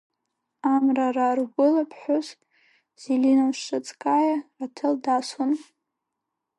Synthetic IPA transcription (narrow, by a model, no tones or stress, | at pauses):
amrararɡʷʊlapʰħʷʊz | z̥ilinamʃat͡sʼkʼajaratʰɨldason